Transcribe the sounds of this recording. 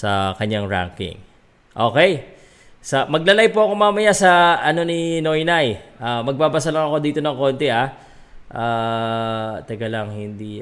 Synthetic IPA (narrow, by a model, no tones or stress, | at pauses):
sɐkɐɲːaŋɹa̰ŋkɪ̰ŋ | ʔo̞ːkɛj | sɐmɐɡ̚lɐlajpoʔɐkomaːmɐjasɐʔɐno̞nɪno̞jnajʔaːmɐɡ̚baːbɐs̬ɐlɐŋɐko̞d̪iːt̪onɐŋko̞ːnt̪ɛʔa | ʔaː | t̪ɐɡɐlɐŋhɪnd̪i